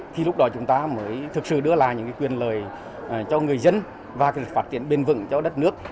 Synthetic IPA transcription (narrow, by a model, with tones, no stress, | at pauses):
t̪ʰi˨˩lʊ˦˥k͡p̚ɗɔ˨˦t͡ɕʊ˨˦ŋ͡mt̪aː˧məː˨˦jt̪ʰɨ˨˩k̚sɨ̰˧˨ɗɨ˧əlaː˨˩ɲɨ̰˧˥ŋkaː˨˦jkwi˨˩ənləː˨˩j | t͡ɕɔ˧ŋɨ˨˩əjzə˧n | vaː˨˩ka˨˦˩faː˦˥t̚t̪ḭ˧˩ənɓe˧nvɨ̰˧˨ŋt͡ɕɔ˧ɗə˦˥t̚nɨ˦˥ək̚